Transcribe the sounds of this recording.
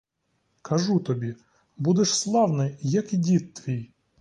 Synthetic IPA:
kʰɐʒut̪ɔbʲi | bud̪ɛʃslˠɑwnɪjɐkidʲit̪ːʋʲij

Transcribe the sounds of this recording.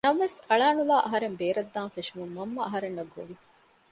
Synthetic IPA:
nɐʋʋesɐɭaːnulaːʔɐɦɐɾembeːɾɐd̪ːaːnfeʃumumːɐmːɐɐɦɐɾenːɐɡo̰ʋi

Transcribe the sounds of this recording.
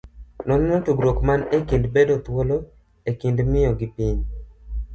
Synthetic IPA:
nɔnmotuɡɾokmanekindbedot̪wolo | ekindmɪjɔɡɪpiɲ

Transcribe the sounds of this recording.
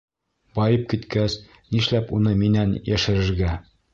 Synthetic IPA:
bɒjɤp̚kit̪kæs | niʃlæpunɤminænjʔæʃɘ̆ɾɘ̆ɾɡæ

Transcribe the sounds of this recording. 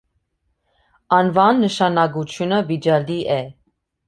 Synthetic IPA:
ɑnvɑnːəʃɑnɑɡut͡ʃʰjunəvid͡ʒɑliʔɛ

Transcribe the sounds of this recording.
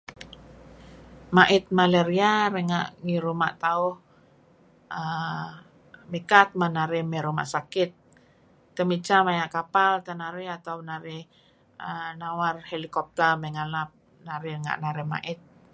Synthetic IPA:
maʔɪt̪̚maleɾiaɾɛŋa̰ʔŋiɾuma̰ʔt̪aʊh | ə | mikat̪̚manaɾɛmɛɾuma̰ʔsakɪt̪̚ː | əmit͡ʃamajaʔkapalt̪anaɾɛat̪awnaɾɛ | ənawarhelikɔp̚t̪ɛrməŋalap̚ | naɾɛŋa̰ʔnaɾɛhma̰ʔɪt̪̚

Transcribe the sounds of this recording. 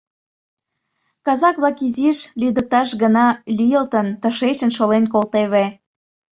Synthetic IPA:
kɑzɑkβlɑkiziʃlyd̪ək̚t̪ɑʃɡənɑlʲijəlt̪ənt̪əʃet͡ɕənʃolenkolt̪eβe

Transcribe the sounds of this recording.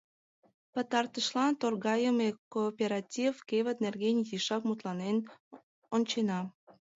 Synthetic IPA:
pə̆t̪ɑrt̪əʃlɑnt̪orɣɑjəmekopʲeɾɑtʲifkeβət̪̚nerɣenʲjiʃɑkmut̪lɑnen | onʲt͡ɕenɑ

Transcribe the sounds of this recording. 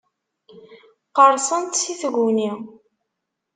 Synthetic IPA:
qəɾˤsˤənt̪siθɣuni

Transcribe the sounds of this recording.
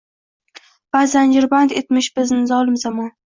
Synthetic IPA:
b̥aːzand͡ʒɪɾbant̪et̪mɪʃbɪznɪzɒlˠɪmzamɒn

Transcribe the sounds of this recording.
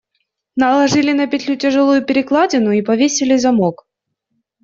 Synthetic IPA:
nɐlˠɐʐɨlʲɪnɐpʲɪt̪ʲlʲutʲɪʐɨlˠujʊpʲɪɾʲɪklˠadʲɪnʊipɐvʲesʲɪlʲɪzɐmok

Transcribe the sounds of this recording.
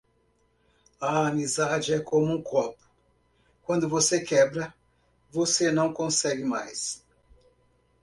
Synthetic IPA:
ɐamizad͡ʒɪɛkʰõmʊũkʰɔpʊ̥ | kwɐ̃nd̪ʊvosekɛbɾɐ | vosenɐ̃w̃kõsɛɡɪmajs

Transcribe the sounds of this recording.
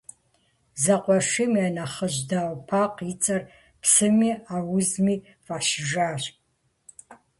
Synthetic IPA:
zɐqʷʼɔʃʷimianɐχəʒdaːwpʰaqit͡sʼɐr | pʰsɨmiːaːwʊzmiː | vaʃʒaːɕʼ

